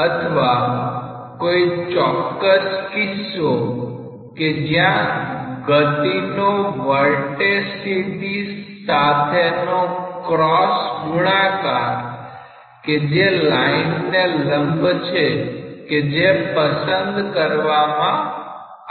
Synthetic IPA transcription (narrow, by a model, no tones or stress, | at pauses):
ət̪ʰʋa | koit͡ʃɔkːəskiso | ked͡ʒjãɡət̪inoʋəɾʈesid̪is | at̪ʰenokɾɔsmuɭakaɾ | ked͡ʒelainneləmbʱt͡ʃʰeked͡ʒepəsənd̪kəɾʋamã